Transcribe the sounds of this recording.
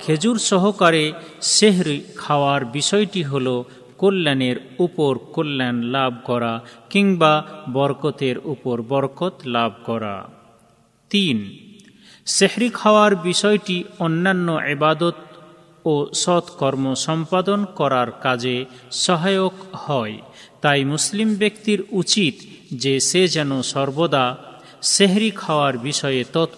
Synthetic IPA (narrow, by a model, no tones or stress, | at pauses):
kʰed͡ʑuɾsɔɦokaɾeseɦɾikʰawaɾbisɔjʈiɦolo | kolːɛneɾupoɾkolːɛnlab̚ʱkɔɾakiŋbabɔɾkot̪eɾupoɾbɔɾkot̪lab̚ʱkɔɾa̰ | t̪in | sehɾikʰawaɾbiʃɔjʈiɔnːanːoʔebad̪ot̪̚ | osɔt̪kɔɾmoʃɔmpad̪onkɔɾaɾkad͡ʑe | sɔɦajokhɔet̪ajmuslimbekt̪iɾut͡ɕit̪ | d͡ʑesed͡ʑɛnosɔɾbod̪a | seɦɾikʰaoaɾbiʃɔet̪ɔt̪